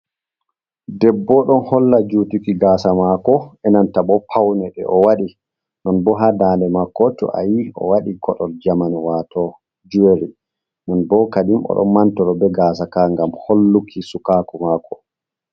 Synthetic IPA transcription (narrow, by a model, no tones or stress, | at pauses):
dɛbːɔɗɔnhɔlːad͡ʒutikiɡaːsamakɔɛnantabɔpʰawnɛɗɛ̰ʔɔwaɗi | nɔnbɔɦadaːndɛmakːɔtɔ̰ʔa̰jiɔ̰waɗikɔɗɔld͡ʒamanwatʰɔ | d͡ʒueɾi | nɔnbɔkaɗimɔ̰ɗɔ̰nmantɔɾɔbɛɡaːsakaŋɡamholːukʰisukakumakɔ̥